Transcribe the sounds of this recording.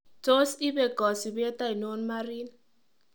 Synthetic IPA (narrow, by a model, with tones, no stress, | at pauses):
tʰʼo˦si˦ɓɛ˨ɡ̥ʱɔ˨si˨bɛ˦tʼa˦i˨no˦nma˦riː˦na